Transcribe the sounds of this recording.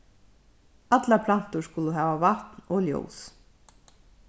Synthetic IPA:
at̪lapʰlan̥t̪ʊ̥skʊləɦaːvavaht̪nɔljo̰ːws

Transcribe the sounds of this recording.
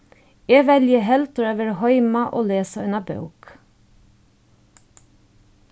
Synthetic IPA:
eːʋɛljəhɛlt̪ɾøːʋəɾhɔʏmɑʔoːleːsəʉnɑbɑ̰ʉk

